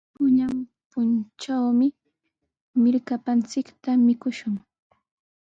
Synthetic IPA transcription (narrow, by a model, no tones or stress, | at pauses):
pʊɲampʊnt͡ʃawmɪ | mɪɾkapant͡sɪkt̪amɪkʊʃʊŋ